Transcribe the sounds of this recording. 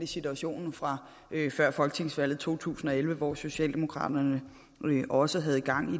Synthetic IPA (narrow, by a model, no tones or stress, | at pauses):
d̥isit͡sʰuæɕo̝̰ːnn̩fʁɑ̈ | fɶɐ̰fɒ̽lɡ̥ət͡sʰe̝ŋsʋæl̰ð̩ˠt͡sʰo̝̰ːt͡sʰṵːsn̩ɒ̽elʋəʋɒ̰so̝ɕɛ̰ːld̥e̝mo̝kʰʁɑ̰̈ːd̥ɐnə | ʔɒ̽səɦæð̞̩ˠɡ̥ɑ̈ŋ̰i